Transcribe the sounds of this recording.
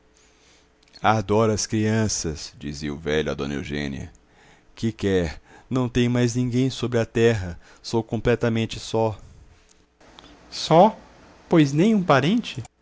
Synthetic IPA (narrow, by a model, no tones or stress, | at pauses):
ad̪ɔɾɐskɾiɐ̃sɐsd͡ʒiziʊ̰vɛʎʊɐd̪õnḛwʒḛ̃nḭɐ̰ | kɪkɛɾnɐ̃w̃t̪ẽj̃majznĩɡẽj̃sobɾɪɐt̪ɛɦɐ | sowkõmplɛt̪ɐmẽnt͡ʃɪsɔ | sɔ | pojznẽj̃ũpaɾẽnt͡ʃɪ